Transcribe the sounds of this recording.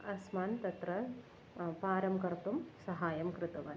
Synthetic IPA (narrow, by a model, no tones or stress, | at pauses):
ɐsmaːnt̪ɐt̪ɾɐ | paːɾɐmkɐɾt̪umsɐɦaːjɐmkɾɪt̪ɐʋɐːn